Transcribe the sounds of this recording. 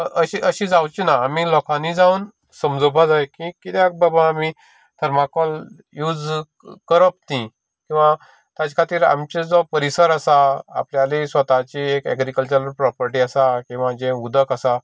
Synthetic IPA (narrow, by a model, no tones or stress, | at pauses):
əɕiʔəɕĩːd͡zawt͡ɕinaːmilɔkãnid͡zauːn | səmd͡zɔbʱad͡zajkĩkit̪jak̚babaami | t̪ʰəɾmakɔl | juːd͡z | kəɾəp̚t̪ĩ | kĩw̃ʋa | t̪jad͡zkʰat̪iːɾa̰mt͡ɕed͡zɔpəɾisəɾəsa̰ːpljalisʋət̪at͡ɕiekɛ̰ɡɾikəlt͡ɕəɾəɾpɾɔpəɾʈiːasakĩw̃ʋãd͡ʑẽud̪ʱəkasa